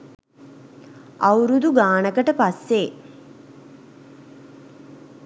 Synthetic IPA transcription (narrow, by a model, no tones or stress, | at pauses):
awɾud̪uɡaːnəkəʈəpasːe